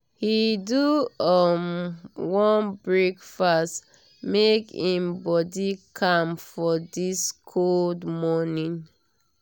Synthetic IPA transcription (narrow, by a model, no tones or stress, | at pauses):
hiduʌmwɔ̃nbɹekfast | mekĩmbɔdikʰãmfɔdiskʰoldmɔnĩn